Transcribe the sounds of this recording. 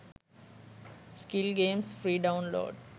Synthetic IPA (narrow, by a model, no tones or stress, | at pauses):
skɪlɡẽːmsfɾiːɖãʊ̃nlo̰ːɖ